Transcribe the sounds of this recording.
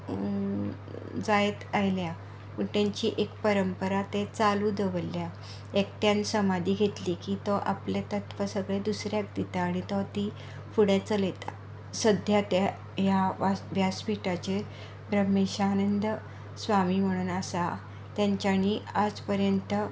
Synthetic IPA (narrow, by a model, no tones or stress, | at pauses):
d͡zajet̪ajlja | pəɳt̪jaɲt͡ɕiːʔekpəɾəmpəɾat̪et͡saluːd̪əʋəlːja | ekt̪jansəmad̪iːɡʱet̪liːkiːt̪ɔʔaplet̪ət̪ʋəsəɡɭed̪usɾjak̚d̪it̪aːɽ̃it̪ɔt̪i | fuɽet͡səlet̪a | səd̪ʱjat̪a | jaʋjaspiʈat͡ɕe | bɾəmeɕaːnənd̪ə | sʋamiːm̤əɽ̃uːnasa | t̪jaɲt͡ɕaniːad͡zpəɾjənt̪ə